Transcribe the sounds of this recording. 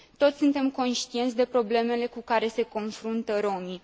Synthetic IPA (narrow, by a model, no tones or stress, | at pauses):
t̪o̞t̪sʲsunt̪e̞mko̞nʃt̪ie̞nt̪sʲd̪e̞pɾo̞ble̞me̞le̞kukaɾe̞se̞ko̞nfɾunt̪əɾo̞mi